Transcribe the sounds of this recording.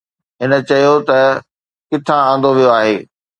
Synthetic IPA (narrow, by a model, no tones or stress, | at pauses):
ɦɪnə̆t͡ɕɐijot̪ɐ | kɪt̪ʰããːn̆d̪oʋijoaːɦeː